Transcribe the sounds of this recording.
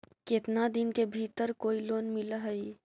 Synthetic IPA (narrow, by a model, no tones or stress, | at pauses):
ket̪nad̪ɪnkebʱiːt̪əɾkoːiloːnmɪlaɦəi